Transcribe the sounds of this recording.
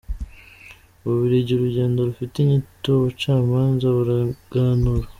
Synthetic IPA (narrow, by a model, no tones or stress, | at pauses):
βuβiɾeɟeɾuɾɟe̞ːndoɾufiteɲitoβot͡ʃaːmaːnzaβuɾaɡ̥aːnuɾa